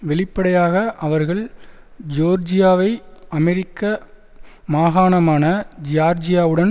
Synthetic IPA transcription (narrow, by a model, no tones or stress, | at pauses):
ʋɛɭɪpːɐɽɐjaːɣɐʔɐʋɐɾɣɐɭ | d͡ʒoːɾd͡ʒɪjaːʋɐɪɐmɛɾɪkːɐ | maːɣaːɳɐmaːnɐd͡ʒɪjaːɾd͡ʒɪjaːʋɯɽɐn